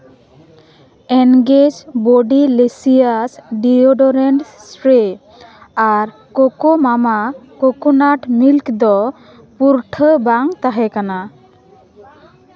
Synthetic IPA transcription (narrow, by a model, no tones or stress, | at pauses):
ɛnɡed͡ʒboɖilesijasɖioɖɔɾɛɳʈsɾe | aɾ | kokomamakokonaʈmilkd̪ɔ | puɾʈʰəbaŋt̪aɦɛkana